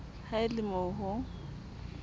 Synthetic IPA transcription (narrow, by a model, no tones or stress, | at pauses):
haɪlɪmɔɦʊ